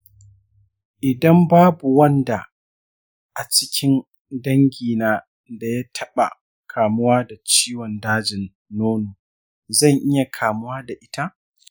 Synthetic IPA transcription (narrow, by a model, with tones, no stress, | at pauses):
ʔɪ˨dɐ˦mbaː˦bu˨wɐ˦nda˨ | ʔa˨t͡ʃɪ̥˦kʲɪ˦n | dɐ˦ŋɡʲiː˨naː˦ | da˨ja˦tʰɐ˦ɓa̰˨ | kʰaː˨mʊ˦waː˦da˨t͡ʃiː˦wɔ˨ndaː˦d͡ʒɪ˨nː | oː˦noː˨ | zɐ˦˨ŋʔɪ˦ja˨kʰaː˨mʊ˦waː˦da˨ʔɪ˦ta˦ʔ